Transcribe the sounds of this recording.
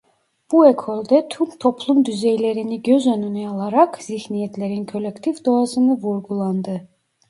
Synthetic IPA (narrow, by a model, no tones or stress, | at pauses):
b̥uekʰolʲd̪ɛt̪ʰymt̪ʰo̞plˠumd̪yzejlʲe̞ɾiniɟøzønynyalˠaɾakziçnijɛt̪lʲe̞ɾinkʰo̞lʲɛkt̪ʰifd̪o̞asɯnɯvuɾɡulˠand̪ɯ